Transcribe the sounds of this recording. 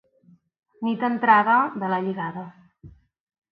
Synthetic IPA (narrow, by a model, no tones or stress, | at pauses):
nit̪ənt̪ɾaðəðələʎiɣaðə